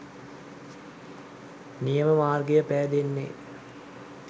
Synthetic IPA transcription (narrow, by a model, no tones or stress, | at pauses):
nijəməmaːrɡejəpæːd̪enːḛ